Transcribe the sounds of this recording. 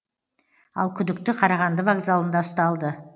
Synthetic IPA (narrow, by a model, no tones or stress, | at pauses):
ɑ̰lˠkʲʰʏd̪ɪkt̪ɪqʰɑɾɑʁɑnd̪əvaɡzalˠənd̪ɑʊst̪ɑlˠd̪ə